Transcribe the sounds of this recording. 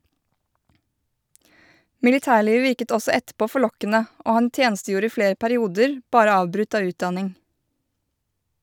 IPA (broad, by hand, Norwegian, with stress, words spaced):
mɪlɪˈtæːˌɭiːʋ ˈʋɪɾkət ˈɔsɔ ˈɛtˌpoː fɔˈɭɔkənə ˈoː ˈhɑn ˈtjeːnstəˌjuːɾə ˈiː ˈfɽeːɾ pæɾɪˈuːdəɾ ˈbɑːɾə ˈɑːʋbɾʉt ˈɑː ˈʉːtˌdɑnɪŋ